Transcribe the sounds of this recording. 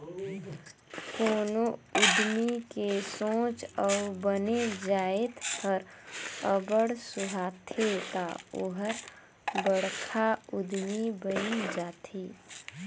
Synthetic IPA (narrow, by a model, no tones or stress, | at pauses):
koːnoʊd̪ʱmikesõːt͡ʃəubəned͡ʒaːet̪həɾəbəɽsʊɦaːt̪ʰet̪aoɦəɾ | bəɽkʰaʊd̪ʱmibəid͡ʒaːt̪ʰe